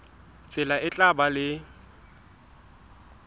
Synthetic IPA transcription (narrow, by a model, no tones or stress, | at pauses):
t͡sʼɪlaʔɪt͡ɬʼabalɪ